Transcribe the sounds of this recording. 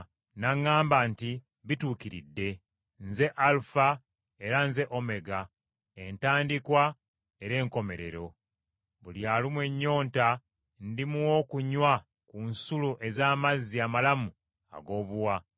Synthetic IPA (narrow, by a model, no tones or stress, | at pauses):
naŋːaːmbanti | βituːkiɾḭdːe̞ | nze̞ʔalufa | e̞ɾanze̞ʔo̞me̞ɡa | entaːndikwa | e̞ɾe̞ːŋko̞me̞ɾe̞̰ɾo̞ | βuljaːlimwe̞ɲːo̞ːnta | ndimuwoːkuɲwa | kunsuluʔe̞zaːmazːiamalamu | a̰ɡo̞ːβuwa